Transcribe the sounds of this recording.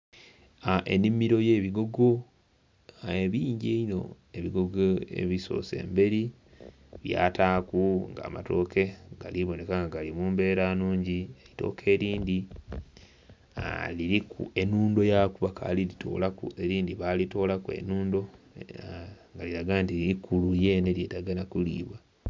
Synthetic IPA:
aʔenimiɾo̞je̞ːβiɡo̞ɡo | eβiːɲɟeino̞̰ | eβiɡoɡoḛβiso̞̰ːse̞̰ːmbe̞ɾi | βja̰ːtaːkuŋɡa̰ːma̰toːke̞ɡa̰liβo̞ne̞kaŋɡaɡalimuːmbe̞ːɾaːnuːɲɟielito̞̰ːkʰe̞ːɾiːndi | aliɾikṵe̞nuːndo̞jakuβaka̰lilitʰo̰ːlakue̞ɾiːndiβalito̞ːlakue̞̰nuːndo̞ | ŋɡaliɾaɡantiikuluje̞ne̞ljeːtaɡanakulḭːβwa

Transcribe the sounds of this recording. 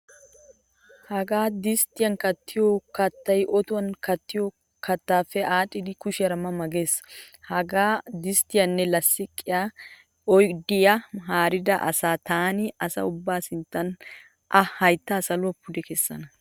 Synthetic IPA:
hɐɡaːd̪ɪst̪ːɪjɐnkɐt̪ːɪjɔkɐt̪ːɐjʔɔt̪ʊwɐnkɐt̪ːɪjɔ | kɐt̪ːaːfɛʔaːtʼːɪd̪ɪkʊʃɪjɐɾɐmɐmɐɡe̞ːshɐɡaːd̪ɪst̪ɪjɐnːɛlɐsːɪkʼːɪja | ɔjd̪ɪjɐɦaːɾɪd̪ɐʔɐ̰saːt̪aːnɪɐsɐ̰ʊbːaːsɪnt̪ːɐn | ʔɐhɐjt̪ːɐːsɐlʊɐpːʊd̪ɛkɛsːɐ̰nɐ

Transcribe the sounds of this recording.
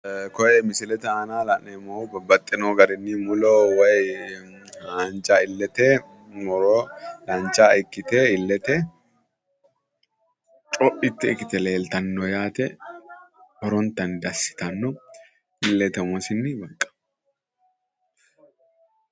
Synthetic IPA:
kɔʔɛmɪsɪlɛt̪ɛaːnaːlɐnɛmobɐbːɐt̪ʼːɪnoːɡɐɾɪnːimʊlowɐj | haːnt͡ʃʼaːɪlːɛt̪ɛ | mɔɾɔlɐnt͡ʃaːɪkːɪt̪eɪlːɛt̪ɛ | t͡ʃʼɔʔɪt̪ːɛɪkɪt̪ɛle̞ːlt̪ɐnːɔjaːt̪ɛ | hɔɾɔnt̪ɐnd̪ɐsːɪ̥t̪ɐnːɔ | ɪlːɛt̪ɛmɔsɪnːɪbɐkʼːɐ̥

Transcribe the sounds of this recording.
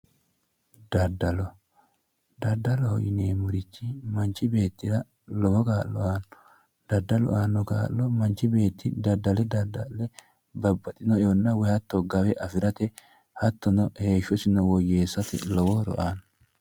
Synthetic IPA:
d̪̥ɐd̪ɐlɔ | d̪̥ɐd̪ːɐlɔhɔ̰jɪneːmʊɾɪt͡ʃːɪmɐnt͡ʃːɪbe̞ːt̪ːɪɾɐ | lɔwɔɡaːlːɔaːnːɔ̥ | d̪̥ɐd̪ːɐlɔ̰ʔaːnːɔɡa̰ːlːɔmɐnt͡ʃɪbe̞ːt̪ːɪd̪ɐd̪ːɐlɛd̪ɐd̪ɐllɛ | bɐbːɐt̪ʼɪnɔjonːɐwɛhɐt̪ːɔɡɐwɛʔɐfɪɾɐt̪ɛ | hɐt̪ːɔnɔheːʃɔsɪnɔwɔjeːsːɐt̪ɪ̰lɔwɔɾɔ̰ʔaːnɔ

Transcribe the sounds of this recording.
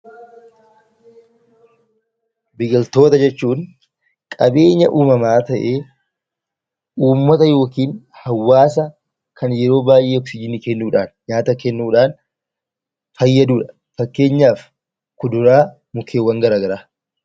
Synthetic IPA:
bɪɡɐlt̪o̞ːt̪ɐd͡ʒɛt͡ʃːuːn | kʼɐbe̞ːɲːɐʔuːmɐmaːt̪ɐʔe̞ː | uːmːɐt̪ɐjo̞ːkiːn | hɐwːaːsɐ | kʰɐnjɛɾo̞ːbaːjʔe̞ːɔksɪd͡ʒɪːnːɪkɛnːuːᶑaːnɲaːt̪ɐkɛnːuːᶑaːn | fɐjːɐd̪uːᶑɐ̥ | fɐkːe̞ːɲːaːf | kʊd̪ʊɾaː | mʊkʰeːwːɐŋɡɐɾaːɡɐɾaː

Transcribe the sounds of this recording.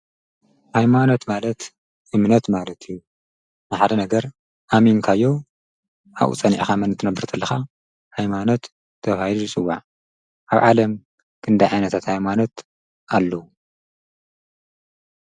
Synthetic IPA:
hajmanot̪malɐt̪ | ʔɨmnɐt̪malɐt̪ʰɨjːu | maħd̪ɐnɐɡɐɾ | ʔaminkʰajːo̞ | ʔa̰ʔṵt͡sʼɐnḭʕxamɐnɨt̪ʰːɨnɐbːɨɾt̪ʰɐlːɐxa | hajmanot̪ːʰ | ɐβailuzɨt͡sʼɨwːaʕ | ʔaβʕalɐm | kʰɨnd̪ajʕajnɐt̪ʰat̪hajmanot̪ | ʔalːɐwu

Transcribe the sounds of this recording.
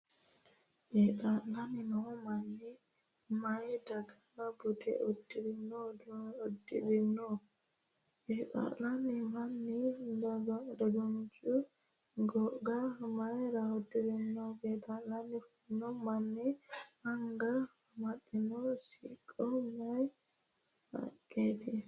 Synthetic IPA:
ʔɛɗalaninɔmanːi | majdaɡabudɛ̰odiɾinːɔdɔodiɾinːɔ | ʔɛɗa̰lanimanːidaɡadaɡand͡ʒu | ɡɔɡamajɾaodːiɾinːɔɡɛbalanif | nɔmanːiaŋɡamaɗinɔsḭkʼːɔmaj | ha̰kːɛdɛ

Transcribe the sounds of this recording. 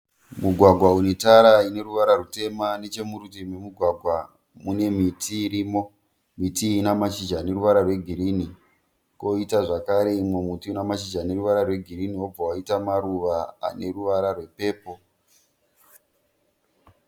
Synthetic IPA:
muɡʱwaɡʱwaunetaɾaine̞ɾuʋaɾarute̞mane̞t͡ʃe̞muɾutimemuɡʱwaɡʱwa | mune̞mitiːɾiːmo̞ | mitiːnamat͡ʃid͡ʒane̞ɾuʋaɾarwe̞ɡʱiɾiːni | ko̞itaʐakaɾe̞imwe̞mutiunamat͡ʃid͡ʒʱane̞ruʋaɾarwe̞ɡʱiɾinio̞b͡vawaitamaɾuʋaa̰ne̞ruʋaɾarwe̞pe̞ːpo̞

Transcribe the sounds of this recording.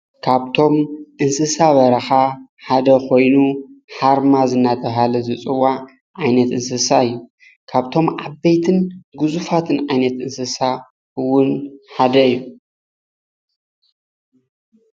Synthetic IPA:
kʰaβt̪ʰo̞mʔɨnsɨsaβɐɾɐxaħad̪ɐkʰo̞jnuħaɾmazɨnːat̪ʰɐβɦalɐzɨt͡sʼɨwa | ʕajnɐt̪ɨnsɨsaɨjːu | kʰaβt̪ʰo̞mʕabejt̪ʰɨnɡɨzufat̪ʰɨnʕajnɐt̪ʔɨnsɨsa | ɨwʊnħad̪ɐɨjːu

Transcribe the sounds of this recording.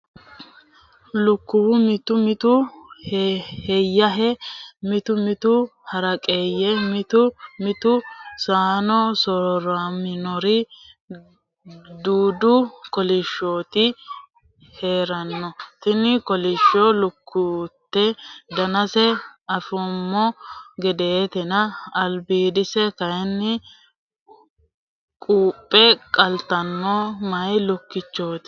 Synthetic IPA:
lʊkːʊwʊmɪt̪ʊmɪt̪ʊhhɛjːɐɦɛmɪt̪ʊmɪt̪ʊhɐɾɐkʼeːjːɛmɪt̪ʊmɪt̪ʊsaːnɔsɔɾɾamɪnɔɾɪ | d̪uːd̪ʊkɔlɪʃːoːt̪ɪ | he̞ːɾɐnːɔt̪ɪnɪkɔlɪʃːolʊkʰːut̪ːɛd̪ɐnɐsɛɐfɔmːɔɡɛd̪eːt̪ɛnɐːlbiːd̪ɪsɛk̪ɐjnːɪ | kʼuːpʼːɛkʼɐlt̪ːɐnːɔmɐjlʊkːɪt͡ʃːoːt̪ɪ̥

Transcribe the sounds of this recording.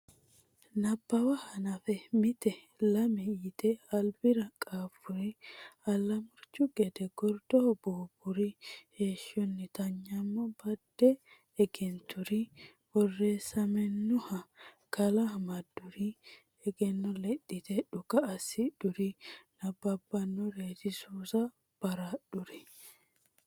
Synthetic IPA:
nɐbːɐwɐhɐnɐfɛmɪt̪ɛ | lɐmɛɪt̪ɛɐlbɪɾɐkʼaːfʊɾiɐlːɐmʊɾt͡ʃːʊɡɛd̪ɛɡɔɾd̪̥ɔbuːbʊɾiheːʃːɔnːɪt̪ɐɲːɐmːɔbɐd̪ːɛ | ɛɡɛnt̪ʊɾi | wɔrːeːsɐmɛnːʊhɐ | kɐlɐmɐd̪ʊɾi | ɛɡɛnːɔlɛɗːɪt̪ɛᶑʊkɐːsɪd̪ʊɾinɐbɐbːɐnːɔɾeːt̪ɪsuːsɐ | b̥ɐɾaɗʊɾɛ

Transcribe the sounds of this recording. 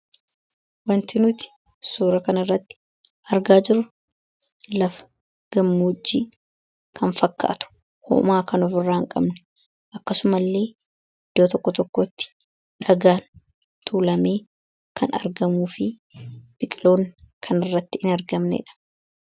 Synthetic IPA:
wɐnt̪ɪnʊt̪ɪ̥ | suːɾɐkɐnɐrːɐt̪ːɪ̥ | ʔɐɾɡaːd͡ʒɪɾʊ | lɐf | ɡ̥ɐmːuːd͡ʒːḭː | kʰɐnfɐkːa̰ːt̪ʊ̥ | hɔ̰maːkɐnɔfɪrːaːŋkʼɐ̰bnɛ̥ | ʔɐkːɐsʊmɐlːe̞ː | ɪd̪̥ːoːt̪ɔkːɔt̪ɔkːot̪ːɪ̥ | ᶑɐɡaːn | t̪ʰuːlɐme̞ː | kʰɐ̰nɐ̰ɾɡɐmuːfɪ | b̥ɪkʼɪlo̞ːŋkʰɐnɪrːɐt̪ːɪɪnɐɾɡɐmnɛ̰ɪ̰ᶑɐ̥

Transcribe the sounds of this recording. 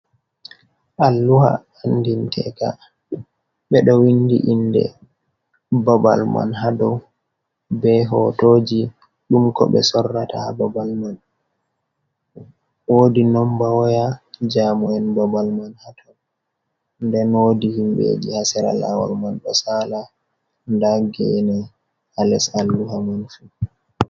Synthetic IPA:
ʔalːuha̰ː | ndintʰɛka | ɓɛɗɔwindḭʔindɛ̰ | baba̰lma̰nɦadɔ | bɛɦɔtoːd͡ʒi | ɗumkɔ̰ɓɛ̰sɔrːatahababalman | wodinɔmbawɔjad͡ʒamuɛnbabalmanhatʰɔ | ndɛnoːdihimbḛd͡ʒihasɛɾa̰la̰wa̰lmanɗɔsala | ndaɡɛnɛ | alɛsalduhamanfu

